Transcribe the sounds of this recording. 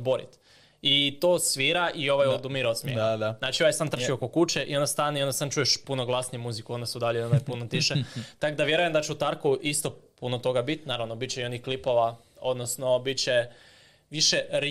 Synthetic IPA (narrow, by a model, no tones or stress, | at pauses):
boɾḭt̪ | it̪oːsʋiːɾaʔio̞ʋajod̪umiɾot̪smjedznaːt͡ʃioʋajsant̪r̩ʃiokokut͡ʃeʔḭond̪ast̪aniod̪asant͡ʃuje̞ʃpunoɡlˠasnijemuzikuo̞nd̪asud̪aʎeiond̪ajpunot̪iʃet̪akod̪aʋje̞ɾuje̞md̪at͡ɕeut̪aɾkuʔist̪o̞punot̪o̞ɡabit̪naːɾaʋnobit̪t͡ɕeio̞nixklipo̞ʋa | od̪nosno̞bit̪t͡ɕe | ʋiʃeɾ